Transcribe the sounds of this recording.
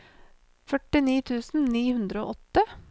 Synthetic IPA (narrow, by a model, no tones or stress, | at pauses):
fœʈɪniːt̪ʰʉːsn̩niːhʉnd̪ɾəo̰ːʔɔt̪ːə